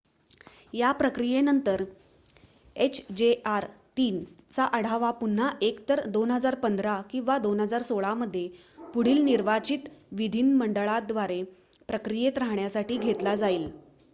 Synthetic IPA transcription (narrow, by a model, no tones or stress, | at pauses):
japɾəkɾijenənt̪əɾ | et͡ɕʰd͡ʑeaɾt̪iːn | t͡saʔəɽ̤aʋapun̤ːaʔekt̪əɾd̪onɦəd͡zaɾpənd̪ʱɾakĩw̃ʋad̪onɦəd͡zaɾsoɭaməd̪ʱːje | puɽ̤iːlniɾʋat͡ɕit̪ʋid̪ʱinməɳɖəɭad̪ʋaɾe | pɾəkɾijet̪ɾaɦɳjasaʈiːɡʱet̪lad͡zaiːl